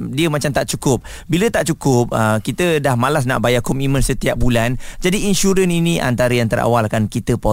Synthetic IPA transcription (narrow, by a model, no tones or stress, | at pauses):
diəmat͡ʃamt̪aʔt͡ʃukʊp̚ | bilət̪aʔt͡ʃukʊp̚əkit̪ədahmalas̬na̰ʔbajakɔmimə̃nsət̪iap̚buland͡ʒadiinʃuɾəninĩʔa̰nt̪aɾəjant̪əɾa̰walkankit̪əpɔ